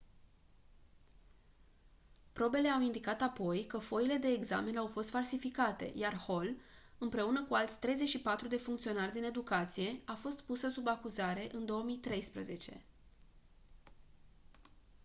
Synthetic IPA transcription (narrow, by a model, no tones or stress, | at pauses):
pɾo̞be̞le̞awind̪ikat̪apo̞jkəfo̞ile̞d̪e̞ːɡza̰me̞nawfo̞st̪falsifikat̪e̞̰jarho̞l | ɨmpɾe̞unəkualt̪sʲt̪ɾe̞jze̞t͡ʃʲʃipat̪ɾud̪e̞fuŋkt̪sio̞narʲd̪ine̞d̪ukat̪sije̞afo̞st̪pusəsubakuzaɾe̞ʔɨnd̪o̞əmijt̪ɾe̞jspɾəze̞t͡ʃe̞̰